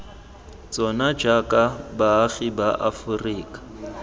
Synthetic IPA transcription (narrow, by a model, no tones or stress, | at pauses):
t͡sʼɔnad͡ʒakʼabaːɣibaʔafʊriːkʼḁ